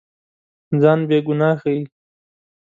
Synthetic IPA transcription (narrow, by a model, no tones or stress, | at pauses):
d͡zɑːnbeɡʊnɑːxai